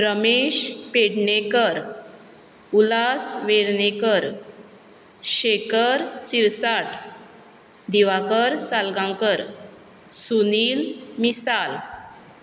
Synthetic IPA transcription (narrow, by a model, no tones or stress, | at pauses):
ɾəmeɕpeɽɳekəɾ | ulasʋeɽnekəɾ | ɕekəɾsiɾsaʈ | d̪iʋakəɾsalɡãŋkəɾ | suniːlmisal